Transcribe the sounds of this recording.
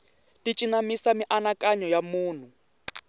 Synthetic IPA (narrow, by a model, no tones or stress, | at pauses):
tʼit͡ʃʼinamisamiʔanakʼaɲɔjamuːn̤u